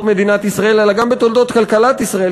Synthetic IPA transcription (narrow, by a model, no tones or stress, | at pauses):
me̞d̪inat̪isʁae̞lelaɡambet̪old̪o̞t̪kalkalat̪isʁae